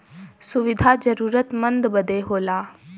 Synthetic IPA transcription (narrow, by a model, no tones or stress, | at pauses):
sʊʋɪd̪ʱaːzəɾuːɾət̪mə̃nd̪bəd̪ʱeɦoːlaː